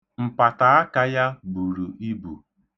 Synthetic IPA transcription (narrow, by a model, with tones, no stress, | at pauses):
m̩˨pa˨ta˨a˦ka˦ja˦bu˨ɾu˨ʔi˦bṵ˨